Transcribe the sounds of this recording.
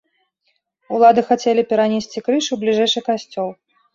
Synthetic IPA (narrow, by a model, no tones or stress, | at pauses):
ulˠad̪ɨxat͡sʲelʲipʲɛɾanʲesʲt͡sʲikɾɨʂublʲiʐɛjʂɨkasʲt͡sʲɔlˠ